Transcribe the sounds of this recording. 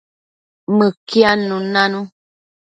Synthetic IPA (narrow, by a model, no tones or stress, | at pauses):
məkianũnãnũ